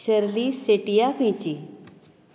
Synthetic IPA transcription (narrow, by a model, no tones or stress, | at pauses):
ɕəɾliseʈijakʰə̃jt͡ɕi